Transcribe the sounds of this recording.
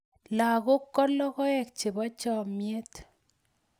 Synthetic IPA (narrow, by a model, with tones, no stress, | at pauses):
la˨ko˦kːɔ˦lɔ˦kɔ˦ɛ˨k̚t͡ʃe˨bɔ˦t͡ʃɔ˨mje˦t̪